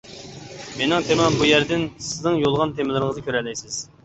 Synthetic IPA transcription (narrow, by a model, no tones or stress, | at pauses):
menɪŋt̪ʰemɑnbujæɾd̪ɪnsɪznɨŋjolˠʁɑnt̪ʰemɪlˠɪɾŋəzɨkʲʰøɾɛlːɛjsɪz̥